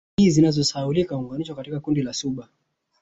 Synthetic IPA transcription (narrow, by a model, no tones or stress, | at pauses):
izinazɔsaulikauŋɡaniʃɔkatikakundilasuɓa